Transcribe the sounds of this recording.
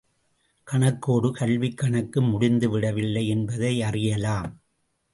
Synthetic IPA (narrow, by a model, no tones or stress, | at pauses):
kɐɳɐkːoːɽɯkɐɭʋɪkːɐɳɐkːɯmʊɽɪnd̪ɯʋɪɽɐʋɪlːɐɪɛnbɐðɐɪɐrɪjɐlaːm